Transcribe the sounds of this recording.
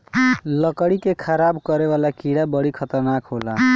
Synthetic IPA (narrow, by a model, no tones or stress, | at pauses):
lʌkəɽikekʰəɾabkʌɾeβalakiɽabʌɽikʰʌt̪əɾnakɦola